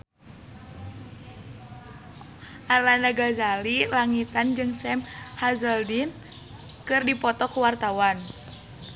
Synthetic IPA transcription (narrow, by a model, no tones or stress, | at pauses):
ʔarlandaɡazalilaŋit̪and͡ʒɨŋsɛmhazəldin | kɨrdipɔt̪ɔkuwart̪awan